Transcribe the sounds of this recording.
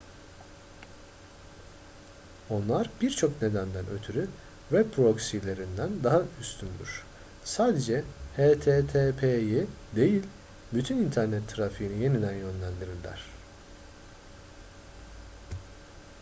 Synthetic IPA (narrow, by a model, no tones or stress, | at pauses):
o̞nlˠaɾbiɾt͡ʃʰo̞kne̞d̪ænd̪ænø̞̰t̪ʰyɾy | vɛbpʰːɾo̞ksilʲe̞ɾind̪ænd̪aɦayst̪ʰynd̪y̰ɾ̥ | saːd̪e̞d͡ʒɛhet̪ʰet̪ʰepʰeji | d̪e̞jilʲ | byt̪ʰynint̪ʰæɾnɛt̪ʰːɾafiːnije̞nid̪ænjø̞nlʲænd̪iɾillʲæ̰ɾ̝̥